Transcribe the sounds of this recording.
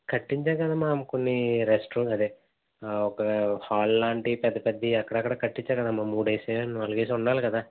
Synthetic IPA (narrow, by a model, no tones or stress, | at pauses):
kɐʈːiɲt͡ʃaːkɐd̪amaːmɐkonːiɾesʈuɐd̪eː | ɔkɐhaːllaːɳʈipɛd̪ːɐpɐd̪ːiɐkːɐɽɐkːɐɽakɐʈːiɲt͡ʃaːɾkɐd̪amːaːmuːɽɐjseːnɐlːukeːs̬uɳɖaːlukɐd̪aː